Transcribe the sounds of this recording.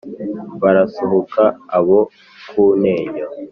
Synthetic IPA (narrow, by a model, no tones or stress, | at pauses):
βaɾasoɦokʰaːβo | kʰuːneːjo